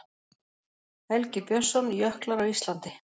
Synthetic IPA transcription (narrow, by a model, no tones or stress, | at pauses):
ɛlcɪpjœ̥sɔnjœhklaɾawist̪lant̪ɪ